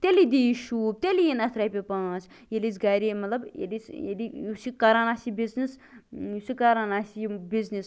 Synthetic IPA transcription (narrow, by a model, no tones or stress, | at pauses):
t̪elid̪iʃuːb̚t̪elijinɐt̪ʰɾajpʲepãːt͡sʰ | jelit͡sɡaɾimɐt̪lɐbḛlit͡selijusikɐɾanasibiznisjusikɐɾanasibid͡znis